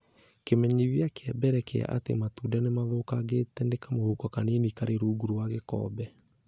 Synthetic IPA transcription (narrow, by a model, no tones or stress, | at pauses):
kemɛɲiðjakeɛbɛɾɛkea̰ʔatḛmatudanemaðokaɣetɛndekamohukakanenikaɾeɾuːɡuɾuwaɣekɔ̰ːbɛ